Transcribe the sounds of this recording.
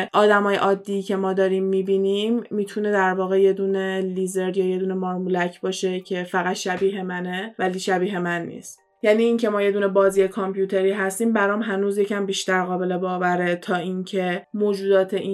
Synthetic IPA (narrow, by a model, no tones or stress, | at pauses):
ʔɒːd̪æmɒːjeʔɒːd̪ːiːcʰe̞mɒːd̪ɒːɾiːmːiːbiːnimːiːt̪ʰune̞d̪æɾvɒːɣe̞je̞d̪uːne̞liːzeɾd̪jɒːje̞d̪uːnemɒːɾmulæcʰbɒːʃe̞cʰe̞fæɣæt̪ʃæbiːɦe̞mænevæliːʃæbiːɦe̞mænːḭːst̪ | jæniːiːŋcʰe̞mɒːje̞d̪uːne̞bɒːziːekʰompʰjuːt̪ʰe̞ɾiːɦæst̪iːmbæɾɒːmɦænuːzje̞cʰæmbiʃt̪æɾɣɒːbe̞le̞bɒːvæɾet̪ʰɒːincʰe̞moːd͡ʒuːd̪ɒːt̪ʰeʔi